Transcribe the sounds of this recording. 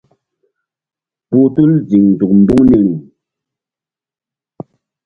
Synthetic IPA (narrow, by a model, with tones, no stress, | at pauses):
pu˦tu˦n˦d͡zi˨ŋn˨d͡zu˨k̚m̩˨bu˦ŋni˨ŋi˨